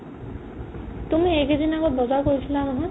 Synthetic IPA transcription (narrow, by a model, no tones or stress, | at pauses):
t̪umiekid̪inakɔbɔzawkoɾit̪ʰilanɔɦɔ̃